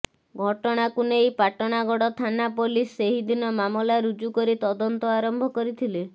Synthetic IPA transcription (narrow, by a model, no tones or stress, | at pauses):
ɡʱɔʈɔɽ̃akunejpaʈɔɽ̃aɡɔɽɔt̪ʰanapolisːeɦid̪inɔmamɔlaɾud͡ʒukɔɾit̪ɔd̪ɔnt̪ɔaɾɔmbʱɔkɔɾit̪ʰile